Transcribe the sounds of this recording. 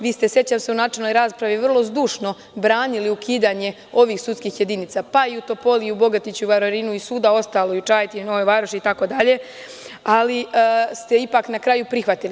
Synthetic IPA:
ʋiːst̪e̞sje̞t͡ɕamseunaːt͡ʃelno̞jɾaːspɾaʋiʋr̩lˠo̞zd̪uːʃno̞ | bɾaːniliukʰiːd̪aːɲe̞ | o̞ʋiːxsut̪skiːxje̞d̪iːniːt̪sapaiut̪o̞po̞liubo̞ɡat̪it͡ɕuʋaɾoɾiːnuisuːd̪ao̞st̪aːlojut͡ʃaːjt̪inoʋoʋaːɾoʃiit̪ako̞ːd̪aʎe̞ | alist̪e̞ipaːknakɾaːjupɾixʋat̪ili

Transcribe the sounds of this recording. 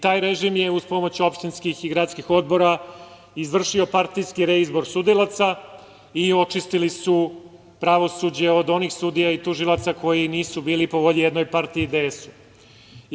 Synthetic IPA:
t̪aːjɾe̞ʒimjeuzpo̞mo̞t͡ɕuo̞pʃt̪inskixiɡɾaːt̪skixo̞d̪̚bo̞ɾa | izʋr̩ʃio̞paɾt̪ijskiɾeizbo̞ɾsud̪ilˠat̪sa | io̞t͡ʂist̪ilisu | pɾaʋo̞sud͡ʑe̞o̞d̪o̞nixsud̪ijait̪uʒilˠat̪sako̞jiniːsubiːlipo̞ʋo̞ʎijed̪no̞jpaɾt̪iːd̪eesu̥

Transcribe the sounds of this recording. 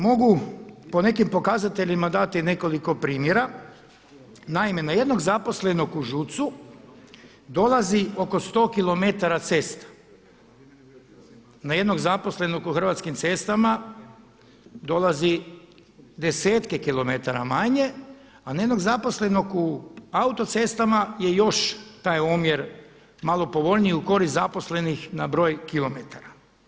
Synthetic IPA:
mo̞ɡupo̞ne̞kimpo̞kazat̪e̞ʎimad̪at̪ine̞ko̞liko̞pɾiːmje̞ɾa | naime̞naje̞d̪no̞ɡzapo̞sle̞no̞kuʒut̪su | d̪o̞lazio̞ko̞st̪o̞ːkilˠo̞me̞t̪aɾat̪se̞st̪ḁ | naje̞d̪no̞ɡzapo̞sle̞nokuxr̩ʋat̪skimt̪se̞st̪ama | d̪o̞lˠazi | d̪e̞se̞ːt̪kekilo̞met̪aɾa̰maɲe̞ | anajed̪no̞ɡzapo̞sle̞no̞kuaut̪o̞t̪se̞st̪amaje̞jo̞ʃt̪aːjomjeɾ | malˠo̞po̞ʋo̞ʎnijiuko̞ɾist̪zapo̞sle̞nixnabɾo̞ːjkilˠo̞met̪aɾa

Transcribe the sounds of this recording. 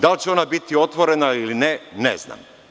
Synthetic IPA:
d̪alt͡ɕeo̞nabit̪io̞t̪ʋo̞ɾe̞nailinenḛzna̰m

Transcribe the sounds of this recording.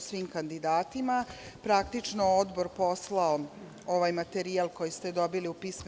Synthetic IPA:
sʋiːmkand̪id̪aːt̪imapɾakt̪it͡ʂnood̪bo̞ɾpo̞slao | oʋajmat̪eɾialˠko̞jist̪ed̪o̞biliupiːsm

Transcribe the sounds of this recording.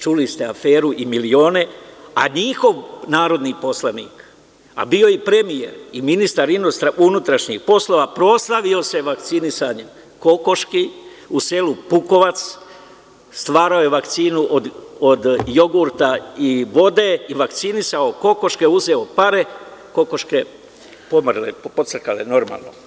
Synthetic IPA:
t͡ʃulist̪e̞afeːɾuʔimilio̞ːne̞a̰ɲixo̞ʋnaːɾo̞d̪nipo̞slanḭːk | a̰bio̞ipɾemije̞̰ɾiminist̪aɾinust̪ɾaʔunut̪ɾaʃɲixpo̞slo̞ːʋapɾo̞slˠaʋio̞se̞ʋakt̪sinisaːɲem | ko̞ko̞ʃkiuselupuko̞ʋat̪s | st̪ʋaːɾao̞jeʋakt̪siːnuʔod̪od̪jo̞ɡuːɾt̪aiʋo̞d̪e̞iʋakt̪sinisao̞ko̞ko̞ʃke̞uzeopaɾe̞kokoʃke̞ | pomrlḛpot̪sərkalḛno̞ɾma̰ːlˠno̞̰

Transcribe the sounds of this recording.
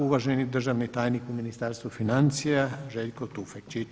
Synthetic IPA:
uʋaʒenid̪r̩ʒaʋnit̪aːjnikuminist̪aɾst̪ʋufinant̪sijaʒeʎkot̪ufekt͡ʃi

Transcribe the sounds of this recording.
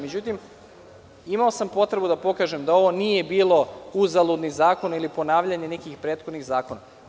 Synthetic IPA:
med͡ʑut̪im | imaosampo̞t̪ɾe̞bud̪apo̞kaːʒe̞md̪ao̞ʋo̞nije̞biːlˠo̞uzalˠud̪nizaːko̞nilipo̞naːʋʎaɲe̞ne̞kixpɾeːt̪xo̞d̪niɣzaːko̞na

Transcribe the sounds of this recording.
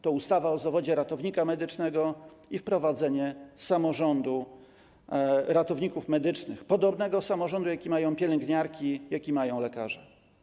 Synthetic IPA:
t̪ɔust̪avaɔzavɔd͡ʑɛɾat̪ɔvɲikamɛd̪ɘt͡ʂnɛɡɔ | ifpɾɔvad̪zɛɲɛsamɔʐɔnd̪u | ɾat̪ɔvɲikufmɛd̪ɘt͡ʂnɘxpɔd̪ɔbnɛɡɔsamɔʐɔnd̪ujakʲimajɔ̃w̃pʲjɛlɛŋɡɲaɾkʲijakʲimajɔ̃w̃lɛkaʐɛ

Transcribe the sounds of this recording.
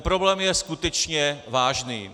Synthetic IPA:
pɾoblɛːmjɛskut̪ɛt͡ʃɲɛvaːʒniː

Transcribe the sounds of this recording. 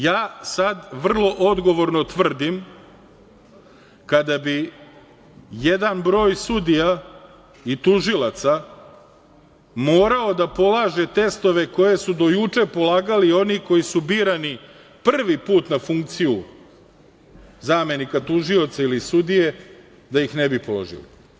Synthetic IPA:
jaːsad̪ʋr̩lˠo̞ʔo̞d̪ɡo̞ʋo̞ɾnot̪ʋr̩d̪im | kad̪abi | je̞d̪anbɾo̞ːjsud̪ija | it̪uʒilat̪sa | mo̞ːɾao̞d̪apo̞lˠaːʒe̞t̪e̞st̪o̞ʋe̞ko̞je̞sud̪o̞jut͡ʂe̞po̞laːɡalio̞niko̞jisubiːɾani | pr̩ʋipuːt̪nafuŋk̚t̪siju | zaːme̞nikat̪uʒio̞t̪sailisud̪ije̞ | d̪ajixnebipo̞lo̞̰ʒḭlḭ

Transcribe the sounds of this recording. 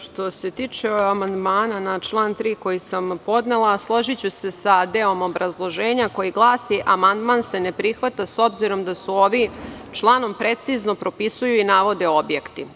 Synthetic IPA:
ʃt̪o̞se̞t̪iːt͡ʃeamand̪maːnanat͡ʃlˠaːnt̪ɾiːko̞jisampo̞d̪ne̞lˠaslˠo̞ʒit͡ɕuse̞sad̪eːo̞mo̞bɾazlˠo̞ʒe̞ːɲako̞jiɡlˠaːsiʔamand̪maːnse̞nepɾixʋat̪aso̞bziɾo̞md̪asuoʋi | t͡ʃlˠaːno̞mpɾe̞t̪sizno̞pɾo̞pisujuinaːʋo̞d̪e̞o̞bjekt̪i

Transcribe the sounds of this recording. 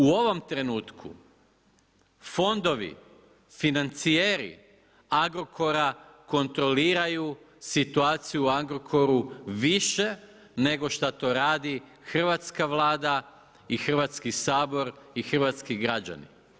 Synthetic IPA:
uo̞ʋo̞mt̪ɾe̞nuːt̪kʰṵ | fo̞nd̪o̞ʋḭ | finant̪sijeɾḭ | aɡɾo̞kʰo̞ɾako̞nt̪ɾo̞liːɾaju | sit̪uaːt̪sijuuaɡɾo̞kʰo̞ɾuʋiʃe̞ | ne̞ɡo̞ʃt̪at̪o̞ɾaːd̪i | xr̩ʋat̪skaʋlˠaːd̪a | ixr̩ʋat̪skisaːbo̞ɾixr̩ʋat̪skiɡɾad͡ʑa̰nḭ

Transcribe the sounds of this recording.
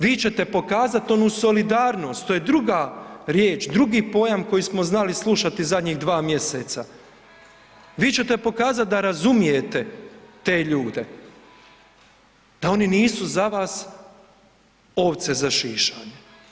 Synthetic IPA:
ʋiːt͡ɕe̞t̪e̞po̞kaːzat̪o̞nuːso̞lid̪aːɾno̞ːst̪t̪ojed̪ɾuɡaɾje̞ːt͡ʃd̪ɾuɡipo̞jamko̞jismo̞znalislˠuʃat̪izad̪ɲiɣd̪ʋaːmje̞set̪sa | ʋiːt͡ɕet̪e̞po̞kaːzat̪̚d̪aɾazumije̞t̪e̞t̪e̞ːʎuːd̪e | d̪̥ao̞niniːsuzaʋaːs | o̞ʋt̪sezaʃiːʃaːɲe

